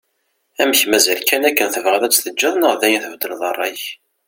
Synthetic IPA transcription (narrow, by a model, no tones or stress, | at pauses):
æməçmæzælkænækːənθəvʁəðˤæt͡sːθəd͡ʒːɑðˤnəʁðæjənθəvd̪əlðˤɑrˤːɑç